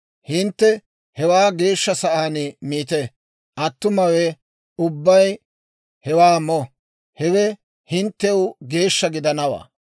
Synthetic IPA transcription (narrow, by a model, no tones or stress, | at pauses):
hɪnt̪ːɛ | hɛwaːɡe̞ːʃːɐsɐʔaːnɪmiːt̪ɛ | ʔɐt̪ːʊmɐwɛ | ʊbːɐj | hɛwaːmɔ | hɛwɛ | hɪnt̪ːɛwʊɡe̞ːʃːɐɡɪd̪ɐnɐwa̰ː